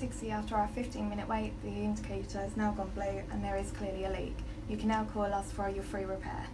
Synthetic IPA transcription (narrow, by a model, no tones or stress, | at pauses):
sɪkstiɑˑftəɹaʊəfɪftĩnmɪ̃ñɪʔwʔeɪʔðiɪ̃ndɪkʰeɪtʰəznaʊɡɒ̃nblʉːə̰̃nðəɹɪz̥kʰl̥ɪəliəlḭˑːɡ̥ | jəkʰə̃nːaʊkʰɔːlʌsfəɹjəfɹiːɹɪpʰɛ̰ː